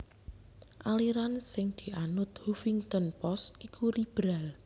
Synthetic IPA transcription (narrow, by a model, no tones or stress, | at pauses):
ʔaliɾansɪŋd̪̥i̤anʊt̪hufiŋt̪ənpɔst̪̚kikʰuɾib̥ɾal